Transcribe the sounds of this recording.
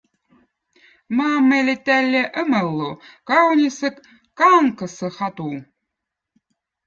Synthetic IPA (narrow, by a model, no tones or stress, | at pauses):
mɑːmːelʲet̪ælʲːeʔəməlˠːukɑwnʲisɨk | kɑːŋkə̆sə̆xɑt̪u